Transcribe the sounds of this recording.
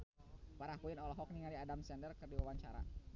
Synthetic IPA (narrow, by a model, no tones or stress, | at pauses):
paɾakuɪnɔlɔɦɔk̚niŋaliadamsɛndərkərdiwawaɲt͡ʃaɾa̰